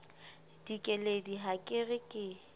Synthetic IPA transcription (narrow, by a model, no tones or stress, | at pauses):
d̥ikʼɛlediɦakʼɪrɪkʼɪ